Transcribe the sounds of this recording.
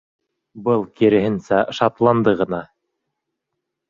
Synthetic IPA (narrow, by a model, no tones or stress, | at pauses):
bɤlˠkiɾɘ̆ɦɘ̆nsæʃɑt̪lˠɑnd̪ɤʁɤ̆nɑ